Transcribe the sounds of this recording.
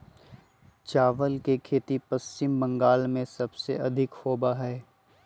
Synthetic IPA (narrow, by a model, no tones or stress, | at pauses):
t͡ʃaːʋəlkekʰeːt̪ipɐst͡ʃɪmbɐ̃ŋɡaːlmẽsɐbseɐd̪ʱɪkhoːbaɦɛː